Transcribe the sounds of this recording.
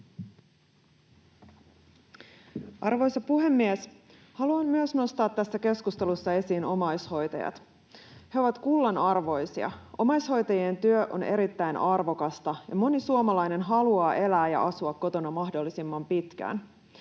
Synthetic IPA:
ʔɑrʋo̞jsɑpuɦe̞mːies | hɑluɑmmyøsno̞st̪ɑːt̪ːæsːæke̞skust̪e̞lusːɑe̞siːno̞mɑjsho̞jt̪ɑ̰jɑ̰t̪ | heo̞ʋɑt̪kulːɑnɑrʋo̞jsiɑ̰ʔo̞mɑjsho̞jt̪ɑjient̪yøʔo̰ne̞ɾit̪ːæjnʔɑrʋo̞kɑst̪ɑjɑ̰mo̞nisuomɑlɑjne̞nɦɑluɑːʔe̞læːjɑ̰ʔɑsuɑkːo̞t̪o̞nɑmɑɦdolːisimːɑmpit̪kæ̰ːn

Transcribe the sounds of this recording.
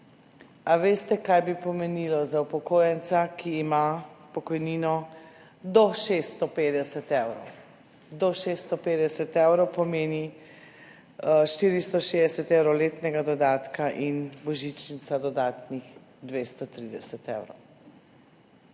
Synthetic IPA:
aʋeːst̪ɛkajbipɔmɛnilɔzaupɔkoːjɛnt̪sakʰiːmapɔkɔjniːnɔ | d̪ɔʃest̪ɔpeːd̪ɛsɛt̪ɛwɾɔ̰w | d̪ɔʃeːst̪ɔpeːd̪ɛsɛt̪ɛwɾɔwpɔmeːni | ʃt̪iːɾist̪ɔʃed̪ɛsɛt̪ɛwɾɔleːt̪nɛɡad̪ɔd̪aːt̪kaʔinbɔʒit͡ʃnit̪sad̪ɔd̪aːt̪nix | d̪ʋeːst̪ɔt̪ɾid̪ɛsɛt̪ḛwɾɔ̰w

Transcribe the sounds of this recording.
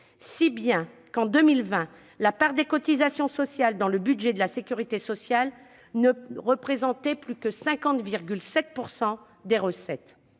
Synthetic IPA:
sibjɛ̃ | kɑ̃d̪əmilvɛ̃ | lapaʁd̪ekɔt̪izasjɔ̃sɔsjald̪ɑ̃ləbyd̪ʒɛd̪əlasekʲyʁit̪esɔsjal | nəʁəpχezɑ̃t̪ɛplykəsɛ̃kɑ̃t̪viʁɡʲylsɛt̪̚puʁsɑ̃ | d̪eʁəsɛt̪

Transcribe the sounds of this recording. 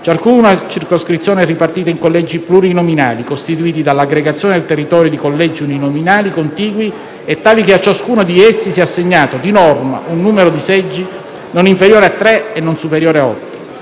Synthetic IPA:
t͡ʃaskunat͡ʃirkoskɾit̪sjoːnɛripart̪iːt̪aiŋkolːɛd͡ʒːipluɾinomina̰ːlikost̪it̪uiːt̪id̪alaɡɾeɡat̪sːjoːned̪elt̪erːit̪ɔːɾjod̪ikolːɛd͡ʒːiuninominaːlikont̪iːɡwi | ɛt̪ːaːlikeat͡ʃːaskuːnod̪iɛsːisiːɛasːeɲːaːt̪od̪inɔrma̰ʔunːuːmeɾod̪isɛd͡ʒːi | noniɱfeɾjoːɾeat̪ːɾɛenːonsupeɾjoːɾeaɔ̰t̪ːi̥

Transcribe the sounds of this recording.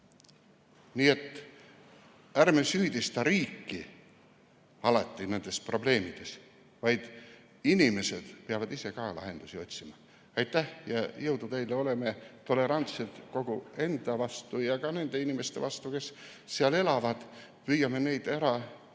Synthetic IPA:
niːe̞t̪ːˑ | ærmesyːd̪̥ist̪ɑɾiːkːi | ɑlɑt̪ːine̞nd̪̥e̞spro̞ble̞ːmid̪̥e̞s | vɑjd̪̥ | inime̞sed̪̥peɑvɑd̪ise̞kɑːlɑ̰ɦe̞̰nd̪̥usio̞t̪ʲsimɑ | ɑjt̪ˑːæhjɑjɤwd̪̥ut̪e̞jleo̞le̞me̞t̪o̞le̞ɾɑnt̪set̪ko̞ɡ̥ue̞nd̪̥ɑvɑst̪ujɑkɑne̞nd̪̥e̞inime̞st̪e̞vɑst̪uke̞sː | eɑle̞lɑvɑd̪̥ | viːjɑme̞ne̞jd̪̥æɾɑ

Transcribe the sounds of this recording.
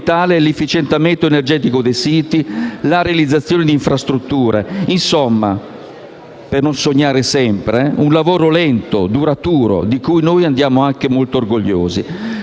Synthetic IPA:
t̪aːleɛlefːit͡ʃɛnt̪ament̪oenerd͡ʒɛːt̪ikod̪ejsiːt̪ilaɾealid̪zːat̪sːjoːnɪd̪iɱfɾast̪ɾut̪ːuːɾeinsɔmːa | pernonsoɲːaːɾesɛmpɾeunlavoːɾolɛnt̪o̰d̪uɾat̪uːɾo̰d̪ikujnoːjand̪jaːmoaŋk̟emolt̪oːrɡoʎːo̰ːzi

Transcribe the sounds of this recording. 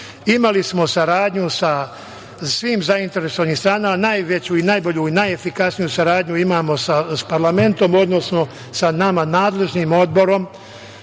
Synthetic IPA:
imalismo̞saɾaːd̪ɲusa | sʋiːmzaint̪e̞ɾesoʋanihst̪ɾaːnamanajʋe̞t͡ɕuinaːjbo̞ʎuinaje̞fikasnijusaɾaːd̪ɲuimaːmo̞saspaɾlame̞nt̪o̞mo̞d̪no̞sno̞ | sanamanaːd̪le̞ʒniːmo̞d̪̚bo̞ɾo̞m

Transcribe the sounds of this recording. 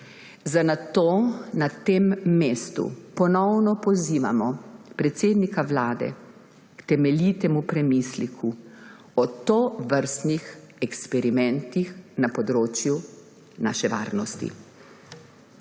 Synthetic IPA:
zanat̪oːnat̪eːmːeːst̪ṵpɔnɔwnɔpɔziːʋa̰mɔpɾɛt̪seːd̪nikaʋlaːd̪ɛ̰ | kt̪ɛmɛlit̪ɛmupɾɛmislikʰu | ɔt̪oːʋəɾst̪nix | ɛkspɛɾimɛnt̪ixnapɔd̪ɾoːt͡ʃju | na̰ːʃɛʋa̰ːɾnɔst̪ḭ

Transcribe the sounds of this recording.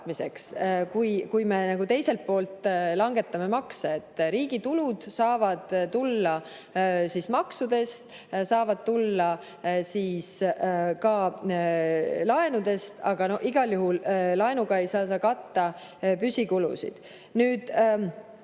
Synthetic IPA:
mise̞̰kskujkujme̞nɑɡ̥ut̪e̞jse̞lt̪̚po̞ːlt̪lɑŋɡ̥e̞t̪ːɑme̞mɑkseet̪ˑːɾiːɡ̥it̪ulud̪̥sɑːvɑd̪̥t̪ulːɑ | sismɑksud̪e̞st̪ | sɑːvɑd̪̥̚t̪ulːɑ | siːskɑ | lɑe̞nud̪e̞st̪ɑ̰ɡ̥ɑno̞hiɡ̥ɑljuɦullɑenuɡ̥ɑe̞jsɑːs̬ɑːkɑt̪ːɑ | pysʲikulṵsḭd̪̥ | nyːd̪̥

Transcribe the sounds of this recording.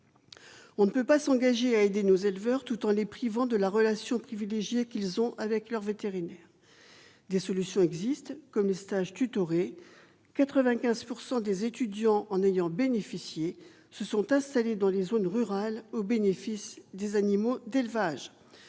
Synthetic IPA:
ɔ̃nəpøpasɑ̃ɡaʒeaed̪enozelvœʁt̪ut̪ɑ̃lepχivɑ̃d̪əlaʁəlasjɔ̃pχivileʒjekʲilzɔ̃ʔavɛklœʁvet̪eʁinɛːʁ | d̪esɔlysjɔ̃ɛɡzist̪kɔmlest̪aʒt̪yt̪ɔʁe | kat̪χəvɛ̃kʲɛ̃zpuʁsɑ̃d̪ezet̪yd̪jɑ̃ʔɑ̃nejɑ̃benefisje | səsɔ̃t̪ɛ̃st̪aled̪ɑ̃lezonʁyʁalobenefisd̪ezanimod̪elvaʒ

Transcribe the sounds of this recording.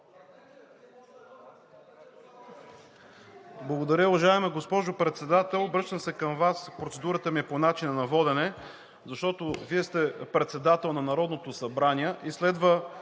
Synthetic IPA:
blˠɐɡod̪ɐɾʲəʊvɐʒaɛmɛɡospɔʒʊpɾɛt̪sɛd̪at̪ɛlˠbɾɤʃt̪əmsɛkɐmvaspɾot̪sɛd̪uɾət̪əmiɛponat͡ʃinənɐvɔd̪ɛnɛ | zɐʃt̪ɔt̪oviɛst̪ɛpɾɛt̪sɛd̪at̪ɛlˠnɐnɐɾɔd̪not̪osɐbɾanʲiɛʔislɛd̪və

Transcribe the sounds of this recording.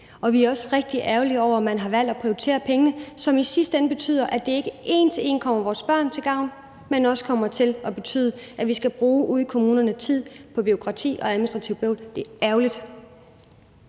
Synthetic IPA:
ɒ̽ʋiæɐɒ̽sʁeɡ̥̚d̥iʔæɐʊliɒʊ̰ɐɒmænɦɑ̈ʋæl̰d̥æpʰʁioit͡sʰe̝̰ːɐpʰeŋənəsɒ̽misisd̥enəb̥e̝t͡sʰy̰ːð̞̰ˠɐʔæd̥e̝e̝ɡ̥əʔe̝̰ːnt͡sʰee̝nkʰɒ̽m̰ɐʋɒːsb̥ɶɐ̰nt͡sʰe̝ɡ̥ɑ̈ʊ̰n | menɒ̽sə̥kʰɒ̽m̰ɐt͡sʰe̝lɒ̽b̥e̝t͡sʰy̰ːðˠəʔæʋisɡ̥æb̥ʁuːʔuð̞ˠkʰomuːnɐnət͡sʰið̰ˠpʰɒ̽b̥io̝kʰʁɑ̈t͡sʰḭːʔɒ̽æðˠminisd̥ʁɑ̈t͡sʰiʊb̥ɔʊ̰ld̥e̝ʔæɐʊlid̥

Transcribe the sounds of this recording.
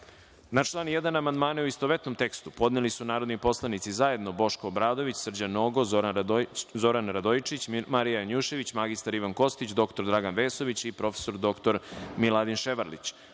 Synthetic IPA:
nat͡ʃlˠaːnjed̪anamand̪maːnɛuist̪oʋet̪no̞mt̪e̞kst̪upo̞d̪nelisunaːɾo̞d̪nipo̞slˠanit̪sizaje̞d̪no̞bo̞ʃkoːbɾaːd̪o̞ʋit͡ɕsr̩d͡ʑanoɡo̞zoɾzo̞ɾanɾad̪ojit͡ʃit͡ɕmaɾijaɲuʃe̞ʋit͡ɕmaɡist̪aɾiʋanko̞st̪it͡ɕd̪o̞kt̪o̞ɾd̪ɾaɡanʋeːso̞ʋit͡ɕipɾo̞fe̥so̞ɾd̪o̞kt̪o̞ɾmilˠad̪inʃeʋaɾlḭt͡ɕ

